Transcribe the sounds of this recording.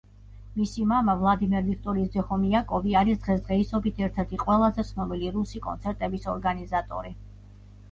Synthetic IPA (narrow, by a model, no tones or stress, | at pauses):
misimamavlˠad̪imɛɾvik̚ʰt̪ʼɔɾiːsd̪ɛχɔmiakʼɔviaɾisd̪ʁɛsd̪ʁɛisɔbit̪ʰɛɾt̪ʰɛɾt̪ʰiqʼwɛlˠazɛsʰnɔbiliɾusikʼɔ̰nt̪sʰɛɾt̪ʼɛbisɔɾɡanizat̪ʼɔ̰ɾi